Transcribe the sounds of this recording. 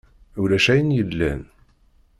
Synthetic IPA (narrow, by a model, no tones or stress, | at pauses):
uɾæʃæjənjəlːæn